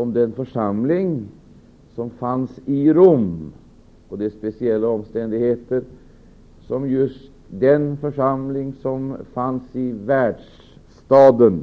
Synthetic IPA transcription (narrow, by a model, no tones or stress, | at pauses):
ɔmd̪ɛnfœʂamlɪŋ | sɔmfansɪɾɵmː | ɔd̪ɛspɛsɪɛlːaɔmst̪ɛnd̪ɪɡheːt̪əɾ | sɔmjɵst̪ | d̪ɛnfœʂamlɪŋsɔmfansɪvæːɖʂ | t̪ɑːd̪ən